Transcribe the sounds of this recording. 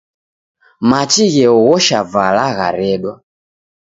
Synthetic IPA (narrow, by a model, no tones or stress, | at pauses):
mat͡ʃiɣɛɔɣɔʃavalaɣa̰ɾɛɗwa